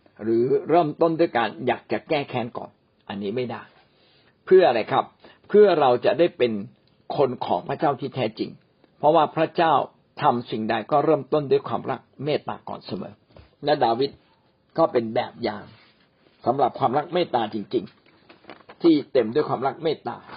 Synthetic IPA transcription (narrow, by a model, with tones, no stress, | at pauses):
ɾɯː˩˦ɾɤː˥˩mt̪o˥˩ndu˥˩jkaː˧njaː˨˩k̚t͡ɕa˨˩kɛː˥˩kʰɛː˨˦˥nkɔ̰ː˨˩n | ʔa˧nːiː˦˥ma˥˩jdaː˥˩j | pʰɯ˥˩ɐʔɾa˧jkʰa˦˥pʰ | ɯ˥˩ɐɾa˧wt͡ɕa˨˩daː˥˩jpe˧n | kʰo˧nkʰɔ̰ː˩˦ŋpʰɾa˧˥t͡ɕaː˥˩wt̪ʰiː˥˩t̪ʰɛː˦˥t͡ɕḭ˧ŋ | pʰɾɔ˦˥waː˥˩pʰɾa˦˥t͡ɕaː˥˩w | t̪ʰa˧msi˨˩ŋda˧jkɔː˥˩ɾɤː˥˩mt̪o˥˩ndu˥˩əjkʰwaː˧mɾa˦˥k̚meː˥˩t̪ːa̰ː˧˩kɔ̰ː˨˩nsa˧mɤ̰ː˩˦ | lɛ˦˥daː˧wi˦˥t̪̚ | kɔː˥˩pe˧nbɛː˨˩p̚jaː˨˧ŋ | sa˩˦mɾa˨˩p̚kʰwaː˧mɾa˦˥k̚meː˥˩t̪ːaː˧t͡ɕi˧ŋt͡ɕi˧ŋ | t̪ʰiː˥˩t̪e˧mdu˥˩jkʰwaː˧mɾa˦˥k̚meː˥˩t̪ːa̰ː˧